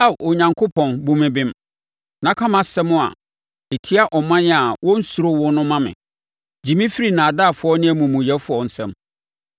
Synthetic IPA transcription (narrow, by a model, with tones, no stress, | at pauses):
a˦ʔo˨ɲã˨ŋkʰo˦pʰɔ̃˨nbũ˦mɪ̃˦bɪ̃˦m | nã˦kʰã˦mã˨sɛ˦mʊ̃˦a̰˨ | e˨tʰi˦a˦ʔɔ˨mã˦nɪ˦a˨wɔ̃˦n̩˦su˨ɾo˦wɔ˦nʊ̃˦mã˦mɪ̰̃˨ | d͡ʑĩ˨mĩ˦fi˦ɾi˨nãː˨daː˦˨fʊ˦ɔ˦nɪ̃˦æ˨mũ˨mũ˨jɛ˦fʊ˦ɔ˨n̩˨sɛ̰̃˦m